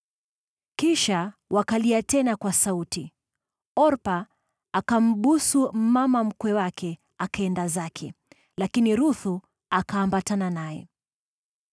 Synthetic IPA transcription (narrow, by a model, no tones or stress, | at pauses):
kiʃawʔakaliatɛnakwasauti | ɔɾpa | akam̩ɓusumamam̩kwɛwakʰɛ | akaɛndazakʰɛ | lakiniɾuθu | akaːmbatananajɛ̰